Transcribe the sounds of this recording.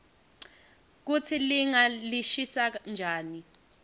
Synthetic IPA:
k̬ut͡sʰiliŋaliʃisand͡ʒʱaːni

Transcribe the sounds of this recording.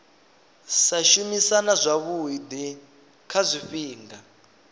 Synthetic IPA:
saʃumisanazʷaβuɦid̪i | kʰazʷifiːŋɡa

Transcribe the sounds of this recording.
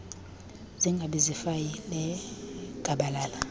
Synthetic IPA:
ziŋɡʱaɓizifajilɛɡ̥ʱaɓalaːla

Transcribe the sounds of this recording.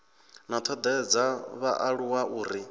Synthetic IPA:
nat̪ʰɔd̪ɛd͡zaβaʔaɺuwaʔuːɾi

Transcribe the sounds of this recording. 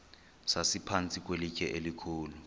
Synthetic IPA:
sasipʰant͡sʼik̬ʼwelikʼɛʔelikʰuːlu

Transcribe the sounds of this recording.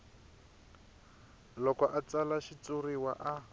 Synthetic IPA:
lɔkɔʔat͡salaʃit͡suriwa̰ʔa

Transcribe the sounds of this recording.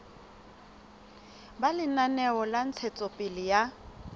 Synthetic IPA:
balɪnanɛɔlan̩t͡sʰɛt͡sʼɔpʼɪlɪja

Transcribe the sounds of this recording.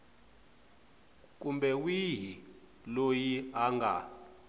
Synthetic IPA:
kʼumbɛwiɦi | lojiaŋɡa̰

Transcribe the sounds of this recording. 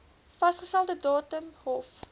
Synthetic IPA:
fɐstχəstɛlˠtədɑːtəmɦɔf

